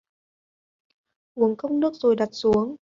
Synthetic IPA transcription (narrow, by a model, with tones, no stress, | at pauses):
ʔu˨˦əŋkə˧wŋ͡mnɨ˦˥ək̚zo˨˩jɗa˨˩t̚su˨˦əŋ